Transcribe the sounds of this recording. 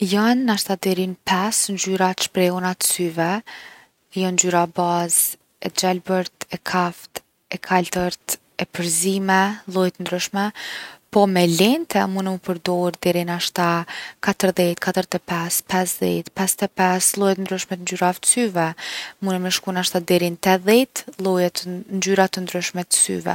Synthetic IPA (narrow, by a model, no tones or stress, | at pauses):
jɔnːaʃt̪ad̪ɛɾinpʰɛsnd͡ʒyɾḁʃpɾɛɔnat̪əsyvɛ | jɔnd͡ʒyɾabaz | ɛd͡ʒalbəɾt̪ɛkʰaft̪ | ɛkʰalt̪əɾt̪ | ɛpəɾzimɛlˠɔjɛt̪ənd̪ɾyʃmɛpɔmɛlɛnt̪ʰɛmunɛməpəɾd̪ɔɾd̪ɛɾinaʃt̪akat̪əɾðɛt̪kat̪əɾt̪ɛpɛspɛsðɛt̪pɛst̪ɛpɛslˠɔjɛt̪ənd̪ɾyʃmɛt̪ənd͡ʒyɾaft̪syvɛmunɛmɛʃkunaʃt̪ad̪ɛɾint̪ɛðɛt̪lˠɔjɛt̪nd͡ʒyɾat̪ənd̪ɾyʃmɛt̪ə̥sy̰vɛ̰